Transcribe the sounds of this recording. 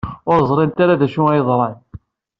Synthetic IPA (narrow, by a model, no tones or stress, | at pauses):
ʊɾzˤɾˤint̪aɾaðæʃuæjəðˤɾˤɑn